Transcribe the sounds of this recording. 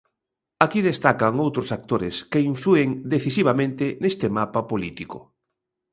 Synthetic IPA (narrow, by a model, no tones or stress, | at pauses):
akiðest̪akaŋowt̪ɾʊsak̚t̪oɾɪ̰skeiɱflueŋd̪eθisiβ̞amẽnt̪ɪnest̪ɪmapapolit̪ikʊ